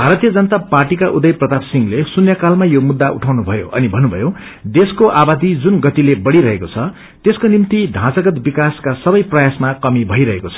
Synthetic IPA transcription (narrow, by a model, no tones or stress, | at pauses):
bʱaɾʌt̪ijʌd͡zʌnʌt̪aparʈikaʔud̪ʌjprʌd̪absiŋlesunjʌkalmajomud̪ːaʔṵʈʰawnubʱʌjoʔʌnibʱʌnːubʱʌ̰jo | d̪eskoʔabad̪id͡zunɡʌt̪ilebʌɽiɾʌɦekot͡sʰʌ | t̪eskonimt̪id̪ʱãt͡sʌɡʌt̪bikaskasʌbʌjprʌjasmakʌmibʱʌjɾʌɦekot͡sʰʌ̥